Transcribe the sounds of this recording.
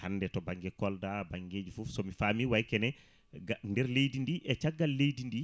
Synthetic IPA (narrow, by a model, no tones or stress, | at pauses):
hanːdɛtɔbaŋɡɛkɔldabaŋɡeːd͡ʒifufsɔmifaːmiwajkɛnɛ | ɡandɛɾlejdindiʔɛt͡ʃaɡːalːejdindi